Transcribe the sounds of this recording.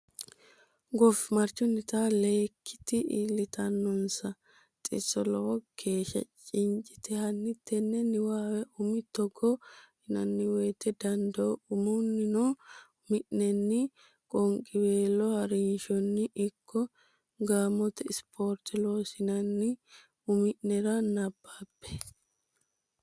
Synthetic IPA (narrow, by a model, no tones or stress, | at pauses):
ɡɔfmɐɾt͡ʃːɔnːɪt̪aːleːkʰːɪ̥t̪ɪʔḭlːɪt̪ʰɐnːɔnsɐ | t̪ʼɪ̰sɔlɔwɔkʰe̞ːʃɐ̰t͡ʃʼɪnt͡ʃʼɪt̪ɛhɐnːɪt̪ʰːɛnːɛnːɪwaːwɛʊmɪt̪ːɔɡːɔhɪnɐnːɪweːt̪ːɛd̪ɐnd̪ɐɔʊmunːɪnoː | mɪʔnɛnːɪ | kʼɔŋkʼɪbeːlɔhɐɾɪnʃɔnːɪʔɪkʰːɔ | ɡaːmɔt̪ɛɪspʰoːɾt̪ɪloːsɪnɐnːɪ | ʊmɪʔnɛɾanɐbːaːbːɛ̥